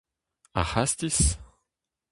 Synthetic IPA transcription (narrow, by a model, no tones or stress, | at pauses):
a̰hast̪is